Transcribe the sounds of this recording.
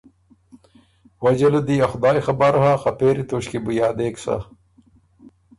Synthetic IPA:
wɐd͡ʑɐlud̪iːɐxʊd̪aːjxɐbɐɾoɦaːqɐpeːɾit̪oːɕkibujaːd̪eːksa̰

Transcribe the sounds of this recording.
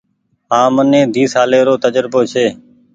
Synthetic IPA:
ɦãːmənẽːd̪ʱiːsaːleːɾoːt̪əd͡ʒɾboːt͡ʃʰeː

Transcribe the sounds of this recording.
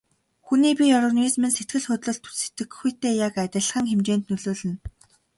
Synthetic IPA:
xuniːpʲiɔɾɔnismĭnset̪ɡɘ̆ɮxʊt̪ɮɵ̆ɮt̪ʰu̥t͡ɕse̥t̪ɘ̆kxujʰt̪eːjakæt̪ʲɪ̆ɮ̆χə̆ŋxemt͡ɕeːnt̪nɵɮoːɮɘ̆n

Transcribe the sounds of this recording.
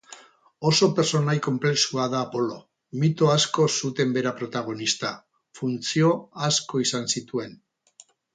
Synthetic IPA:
o̞so̞peɾso̞najko̞mple̞ksuaðaːpo̞lo̞ | mit̪oasko̞sut̪e̞mbe̞ɾapɾo̞t̪aɣ̞o̞nist̪a | funt͡sio̞asko̞isansit̪ue̞n

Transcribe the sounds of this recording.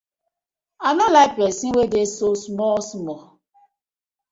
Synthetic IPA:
anɔlaɪpɾesiwedesosmɔlsmɔ

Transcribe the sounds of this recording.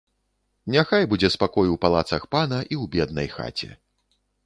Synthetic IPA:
nʲaxajbud͡zʲɛspakɔjuwpalˠat̪sɐxpanɐʔiwbʲɛd̪̚nɐ̰jxa̰t͡sʲɛ̰

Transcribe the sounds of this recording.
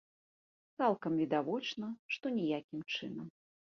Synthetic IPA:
t̪salˠkɐmvʲid̪avɔt͡ʂnɐʂt̪ɔnʲɛjakʲimt͡ʂɨnɐm

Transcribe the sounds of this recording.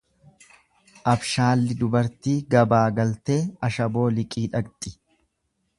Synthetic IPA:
ʔɐbʃaːlːɪd̪ʊbɐɾt̪iːɡɐbaːɡɐlt̪e̞ːɐʃɐbo̞ːlɪkʼiːᶑɐɡt̪ʼɪ̥

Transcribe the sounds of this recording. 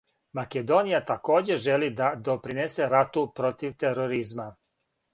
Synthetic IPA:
maked̪o̞nijat̪ako̞ːd͡ʑe̞ʒe̞lid̪ad̪o̞pɾinese̞ɾat̪upɾo̞t̪iʋt̪eɾoɾizma

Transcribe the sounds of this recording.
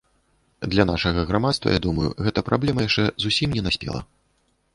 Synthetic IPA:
d̪lʲanaʂɐɣɐɣɾamat̪st̪vɐ̰ja̰d̪umɐjṵɣɛt̪ɐpɾablʲɛmɐjaʂt͡ʂɛzusʲimnʲɛnasʲpʲɛ̰lˠɐ̰

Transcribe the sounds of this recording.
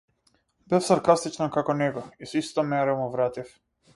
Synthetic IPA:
bɛfsaɾkast̪it͡ʃnakakɔnɛɡɔisɔist̪amɛɾamuvɾat̪if

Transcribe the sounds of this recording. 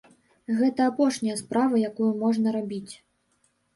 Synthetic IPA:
ɣɛt̪ɐːpɔʂnʲɐjɐspɾavɐjakujumɔʐnɐɾabʲit͡sʲ

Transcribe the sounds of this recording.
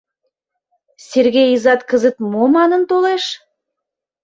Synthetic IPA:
sʲerɣejizɑt̪kəzət̪momɑnənt̪oleʃ

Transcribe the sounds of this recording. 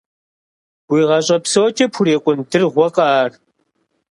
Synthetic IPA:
wʷiːʁɐɕʼɐpsowt͡ʃʼɐpʰʊɾeːkʷʼʊndɨrʁʷɔqʼɑːr

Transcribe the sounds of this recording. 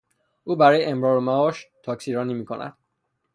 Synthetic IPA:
ʔuːbæɾɒːjeʔemɾɒːɾomæɒːʃt̪ʰɒːksiːɾɒːniːmiːkʰo̞̰næ̰d̪̥

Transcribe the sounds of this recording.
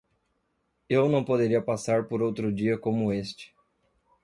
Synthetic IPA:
ewnɐ̃w̃pod̪eɾiɐpasaɾpoɾowt̪ɾʊd͡ʒiɐkõmʊest͡ʃɪ̥

